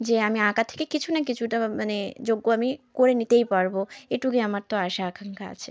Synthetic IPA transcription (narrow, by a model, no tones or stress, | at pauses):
d͡ʑeamiakat̪ʰe̥kekit͡ɕʰunakit͡ɕʰuʈamaned͡ʑoɡːoamikoɾenit̪ejpaɾboeʈukeamaɾt̪oaʃaːkʰaŋkaa̰t͡ɕʰe